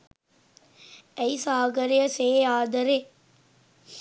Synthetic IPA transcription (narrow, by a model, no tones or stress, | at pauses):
ɐɪsaːɡɐɾejɐseːaːd̪ɐɾe